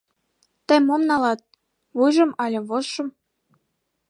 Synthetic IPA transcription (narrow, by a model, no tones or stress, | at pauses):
t̪ə̆mːomnɑlɑt̪̚ | βujʒɤ̆mɑlʲɤ̆βoʃɤ̆m